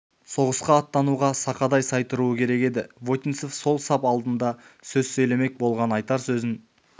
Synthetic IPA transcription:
so̞ʁəsqɑːt̪ːɑnuʁɑsɑqɑd̪ɑjsɑjt̪əɾuəkʲʰe̞ɾe̞ke̞d̪ɪvo̞t̪insofso̞lˠsɑpɑlˠd̪ənd̪ɑsɵzsɵjle̞me̞k̚bo̞lˠʁɑnɑjt̪ɑɾsɵzɪn

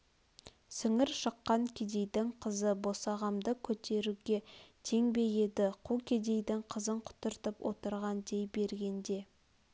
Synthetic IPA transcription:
sʏŋɪɾʃəqːɑŋkʲʰed̪e̞jd̪ɪŋqʰəzəbo̞sɑʁɑmd̪əkʲʰɵt̪e̞ɾuɡʲe̞t̪ʰe̞ŋbe̞je̞d̪ɪqʰukʲʰe̞d̪e̞jd̪ɪŋqʰəzəɴqʰʊ̥t̪ʊɾt̪əpwo̰t̪əɾʁɑnd̪e̞jbe̞ɾɡʲe̞nd̪e̞

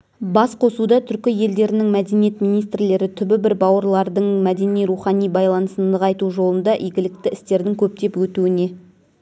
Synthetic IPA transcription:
bɑsqʰo̞sud̪ɑt̪ʰʏɾkʲɪje̞ld̪e̞ɾɪnɪŋmæd̪e̞nije̞t̪mijnijst̪ɾle̞ɾɪt̪ʰʏbɪbɪɾbɑwəɾlˠɑɾd̪əɴmæd̪e̞nijɾuχɑnijbɑjlˠɑnəsənd̪əʁɑjt̪uʒo̞lˠənd̪ɑʔijɡʲɪlɪk̚t̪ɪɪst̪e̞ɾd̪ɪŋkʲʰɵp̚t̪e̞pwɵt̪uɪne̞

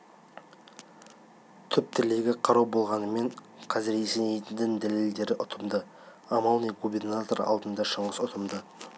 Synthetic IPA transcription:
t̪ʰʏp̚t̪ʰɪle̞ɡʲɪqʰɑɾuwbo̞lˠʁɑnəme̞ɴ | qʰɑzɪɾesenejt̪ɪnd̪ɪŋd̪æle̞ld̪e̞ɾɪʔʊt̪ʰəmd̪ə | ɑmɑlˠnijɡubʲe̞rnat̪o̞ɾɑ̰lˠd̪ənd̪ɑʃəɴəsʊt̪ʰəmd̪ə

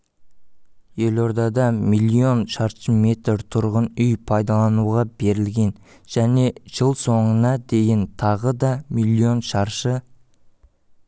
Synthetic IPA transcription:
je̞lo̞ɾd̪ɑd̪ɑmilʲˠːio̞nʃɑɾʃəme̞t̪ɾt̪ʰʊɾʁənʏjpʰɑjd̪ɑlˠɑnuʁɑbe̞ɾɪlɡʲe̞n | ʒ̥æne̞ʒ̥əlˠso̞ɴənɑd̪e̞jɪnt̪ʰɑʁəd̪ɑmilʲˠːio̞nʃɑɾʃə

